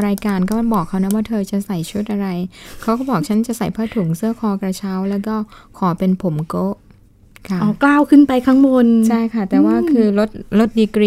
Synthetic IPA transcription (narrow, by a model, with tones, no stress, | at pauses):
ɾaː˧jkaː˧nkɔː˥˩ma˥˩bɔː˨˩kʰːa˦˥wna˦˥waː˥˩t̪ʰɤː˧t͡ɕa˨˩sa˨˩jt͡ɕʰu˦˥˩t̪̚ʔa˧ɾa˧jkʰa˦˥wkɔː˥˩bɔː˨˩k̚t͡ɕʰa˦˥nt͡ɕa˨˩ʔsa˨˩jpʰaː˥˩t̪ʰu˨˩˦ŋsɯ˥˩əkʰɔː˧kɾa˧t͡ɕʰa˦˥wlɛː˦˥wkɔː˥˩kʰɔː˩˦pe˧npʰo˩˦mkoː˦˥ʔ | kʰa˥˩ʔɔː˧˩klaː˥˩wkʰɯ˥˩npa˧jkʰa˦˥ŋmo˧nt͡ɕʰa˥˩jkʰa˥˩t̪ɛː˨˩waː˥˩kʰɯː˧lo˦˥t̪̚lo˦˥t̪̚diː˧kɾiː˧